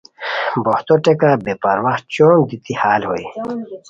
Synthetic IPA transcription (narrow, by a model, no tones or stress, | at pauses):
boht̪oʈekabepɐɾwaht͡ɕoːnd̪it̪ihaːlhoi